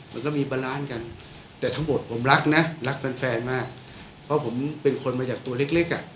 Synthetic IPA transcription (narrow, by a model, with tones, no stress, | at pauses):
ma̰˧nkɔ˥˩miː˧baː˧laː˦˥nka˧n | t̪ɛː˨˩t̪ʰa˦˥ŋmo˨˩t̪̚pʰo˩˦mɾa˦˥k̚na˦˥ɾa˦˥k̚fɛː˧nfɛː˧nmaː˥˩k̚ | pʰɔ˦˥pʰo˩˦mpe˧nkʰo˧nmaː˧t͡ɕaː˨˩k̚t̪u˧ɐle˦˥k̚le˦˥k̚ʔa̰˨˩ʔ